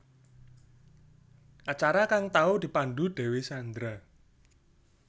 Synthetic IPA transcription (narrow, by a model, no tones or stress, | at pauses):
ʔat͡ʃaɾakaŋt̪aud̪̥i̤panɖ̪uɖ̪̥ɛ̤wesand̪ɾa